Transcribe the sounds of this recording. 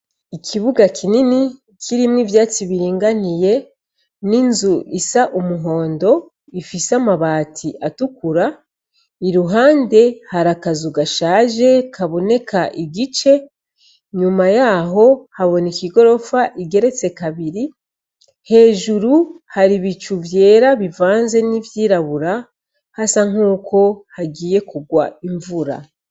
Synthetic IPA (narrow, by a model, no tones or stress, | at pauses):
ikʰiβuɡakʰinini | kʰiɾimŋivjaːt͡siβiɾiːŋɡanije̞ | ninzuʔisaʔumuɦo̞ːndo̞ | ifisamaβaːtʰiʔatukuɾa | iɾuɦaːnde̞haɾakazuɡaʃaːʒe̞kʰaβo̞ne̞kʰaʔiɡit͡ʃe̞ | ɲumajaːɦo̞haβo̞nikiɡo̞ɾo̞faʔiɡe̞ɾe̞t͡se̞kaβiɾi | he̞ːʒuɾuhaɾiβit͡ʃuvje̞ːɾaβivaːnze̞nivjiːɾaβuɾa | hasaŋ̥uːkʰo̞haɡiːje̞kuɡwa̰iɱvuɾa̰